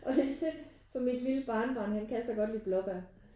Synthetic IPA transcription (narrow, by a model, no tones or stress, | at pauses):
ʔɒ̽desʰeɡ | fɒ̽mid̥liləb̥ɑ̈ːnəb̥ɑ̈ːnhænkʰæsd̥ɐɡ̥ɒ̽d̥liːb̥lɒb̥æɐ